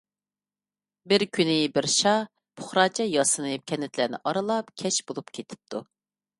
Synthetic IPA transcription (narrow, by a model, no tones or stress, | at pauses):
bɪɾkʲʰynɪbɪɾʃɑ | pʰʊ̥χɾɑːt͡ʃʰɛjɑsɨnɨkʲʰɛnːɪt̪ʰlænɪ̰ʔɑɾɨlˠɑpkʲʰɛʃbolˠupkʲʰet̪ʰɪ̥p̚t̪ʰu